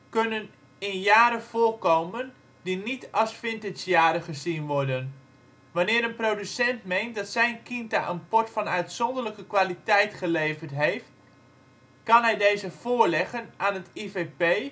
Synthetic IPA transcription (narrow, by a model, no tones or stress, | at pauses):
kønən | ɪnjaːɾəv̥ʊːlkowmən | dinitɑlˠsfɪntɪsjaːɾəχəzinʋɔɹdən | ʋɑnɪːɾənprowdysɛntmejnt̚dɑtsɛjnkinta̰ʔənpɔɹtfɑnœɥtsɔndələkəkʋaːlitɛjtχəlejvəɹtɦejft | kɑnɦɛjdejzəv̥ʊːɹlɛχənʔaːnətivepej